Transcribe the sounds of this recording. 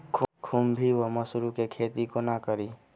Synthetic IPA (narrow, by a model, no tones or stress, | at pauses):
kʰkʰumbʱiʋəmɐsɾukekʰeːt̪ikonakəɾiː